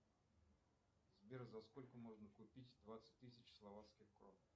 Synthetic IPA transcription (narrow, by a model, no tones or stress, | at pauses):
zbʲeɾzɐskolʲkəmo̞ʐnəkʊpʲitʲd̪vat̪sə̥t̚ʲt̪ɨsʲɪt͡ɕslˠɐvat̪skʲɪxkɾof